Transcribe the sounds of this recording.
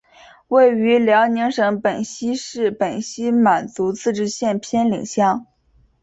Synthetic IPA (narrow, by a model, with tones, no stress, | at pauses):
we˥˩ɪy˧˥ljɑ˧˥ʊni˧˥ŋʂɤ˧˥ŋpə˨˩nɕi˥ʂɻ̩˥˩pə˨˩nɕi˥ma˨˩nt͡su˧˥t͡sʰɹ̩˥˧ʈ͡ʂɻ̩˥˧ɕjɛ˥˩npʰjɛ˥nlḭ˨˩ŋɕjɑ˥˩ŋ